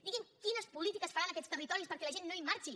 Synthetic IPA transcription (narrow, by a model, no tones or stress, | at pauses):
d̪iɣimkinəspulit̪ikəsfəɾanəkɛst̪ərit̪ɔɾispəɾkɛləʒenːoimːaɾt͡ʃi